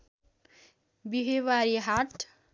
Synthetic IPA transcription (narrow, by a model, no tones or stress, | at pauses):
biɦewaɾiɦaʈ